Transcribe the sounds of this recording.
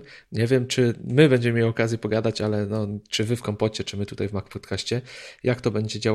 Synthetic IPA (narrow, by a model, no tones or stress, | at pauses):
ɲɛvʲjɛmt͡ʂɘmɘbɛɲd͡ʑɛmmʲejɔkazʲjɛpɔɡad̪at͡ɕalɛnɔt͡ʂɘvɘfkɔmpɔt͡ɕɛt͡ʂɘmɘt̪ut̪ajvmakpɔt̪kʰaɕt͡ɕɛjakt̪ɔbɛɲd͡ʑɛd͡ʑa